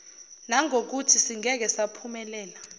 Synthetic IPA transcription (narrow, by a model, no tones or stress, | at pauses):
naŋʱok̬utʰisiŋʱɛk̬ɛsapʰumɛlɛːla